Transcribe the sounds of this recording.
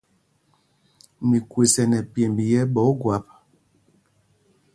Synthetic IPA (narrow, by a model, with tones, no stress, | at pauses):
mi˨kwe˨sɛ˨nɛ˨pje˨mbi˨jɛ˦bɔ˨˦ɡwa˨˦p̚